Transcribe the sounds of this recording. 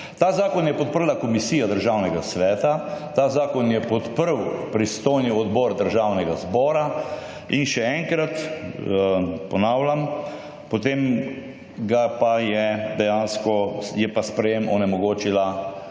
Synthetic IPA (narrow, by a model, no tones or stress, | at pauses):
t̪aːzaːkɔnjɛpɔt̪̚pəɾlakɔmisiːjad̪əɾʒawnɛɡasʋɛːt̪at̪aːzaːkɔnjɛpɔt̪pəɾwpɾist̪oːjniɔd̪bɔːɾd̪əɾʒaːwnɛɡazbɔːɾa | inʃɛɛŋkɾat̪ | pɔnaːwlam | pɔt̪em | ɡapajɛd̪ɛjaːnskɔjɛpaspɾɛjemɔnɛmɔɡoːt͡ʃila